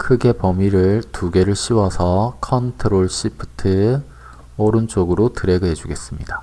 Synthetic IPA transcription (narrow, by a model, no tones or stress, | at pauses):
kʰɯɡe̞pʌmiɾɯɭtuɡe̞ɾɯɭɕʰiwʌsʰʌkʰʌntʰɯɾoɭɕ͈ʰipʰtʰɯ | ʌɾɯnt͡ɕ͈oɡɯɾotɯɾe̞ɡɯɦed͡ʑuɡe̞s͈ɯmɲida